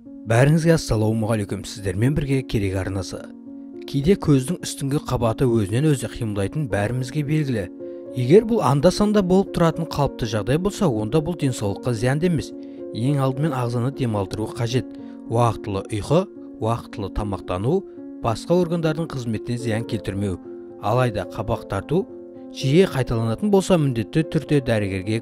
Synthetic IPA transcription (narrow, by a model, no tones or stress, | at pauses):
bæɾɪŋɪzɡʲesɑlˠowəmʊʁɑlekʲemsɪ̥zd̪e̞ɾme̞nbɪɾɡʲe̞kʲʰe̞ɾe̞kʲɑɾnɑsə̰ | kʲʰejd̪e̞kʲʰɵzd̪ɪŋʏst̪ɪŋɡʲɪqʰɑbɑt̪əwɵzɪne̞nwɵzɪqʰijəmlɑjt̪ənbæɾɪmɪzɡʲebe̞lɡʲɪlɪ | je̞ɡʲe̞ɾbʊlˠɑ̰nd̪ɑsɑnd̪ɑbolˠəp̚t̪ʰʊɾɑt̪əɴqʰɑlˠəp̚t̪əʒɑʁd̪ɑjbo̞lˠsɑwo̞nd̪ɑbʊlˠd̪e̞ŋsɑwlˠəqːɑzijɑnd̪e̞me̞s | je̞ŋɑlˠd̪əme̞nɑʁzɑnəd̪e̞mɑlˠd̪əɾuəqʰɑʒe̞t̪̚ | wɑqət̪ːəlˠəʔʊjqə | wɑqə̥t̪ːəlˠət̪ʰɑmɑq̚t̪ɑnu | b̥ɑsqɑwo̞ɾɡand̪ɑɾd̪əɴqʰəzme̞t̪ːenzijɑŋkʲʰe̞lt̪ɪɾme̞w | ɑ̰lˠɑjd̪ɑqʰɑbɑqt̪ʰɑɾt̪u | ʒ̥ije̞qʰɑjt̪ɑlˠɑnɑt̪ənbo̞lˠsɑmɪnd̪e̞t̪ːɪt̪ʰʏɾd̪e̞d̪æɾɪɡʲe̞ɾɡʲe̞